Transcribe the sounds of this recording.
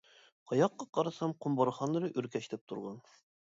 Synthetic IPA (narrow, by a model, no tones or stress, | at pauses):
qʰɑjɑqːɑqɑɾɑsɑmqombɑɾχɑnɤɾɤʔʉɾkæʃt̪ɘp̚t̪ʰuɾʁɑn